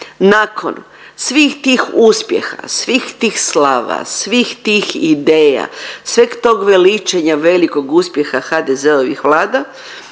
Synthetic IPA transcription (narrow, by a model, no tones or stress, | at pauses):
nakʰo̰n | sʋiːxt̪iːxuspje̞̰xa̰sʋiːxt̪iːxslaːʋa̰sʋixt̪iːxḭd̪eːja̰sʋekt̪o̞ːɡʋelit͡ʃeɲaʋe̞liko̞ɡuspje̞xaxad̪ezeoʋḭxʋlˠaːd̪a